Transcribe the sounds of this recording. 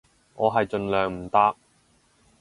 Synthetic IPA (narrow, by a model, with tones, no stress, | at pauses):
ŋʔɔː˨˧ɦɐ˨jt͡ʃɵ˧nlœː˨ŋm̩˨˩t̪aː˥k̚